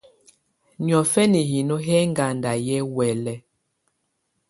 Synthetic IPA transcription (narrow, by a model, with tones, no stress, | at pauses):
ɲɔ˨fɛ˦ni˨ɦi˨no˦ɦɛ˦ŋɡa˨nda˨jɛ˦wɛ˨lɛ˦